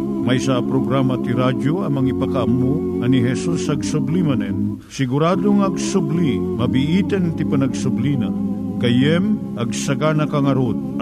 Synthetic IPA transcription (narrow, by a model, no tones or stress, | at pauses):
mɐjsapɾoɡɾamɐt̪iɾad͡ʒoɐmɐŋipakaʔɐmːu | ɐniɦɛsusɐɡsʊblimɐnɛn | sɪɡʊɾad̪oŋɐɡsʊblimɐbiʔit̪ɛnt̪ipɐnɐɡsʊblina | kɐjɛm | ɐɡsɐɡanɐkaŋɐɾod̪̚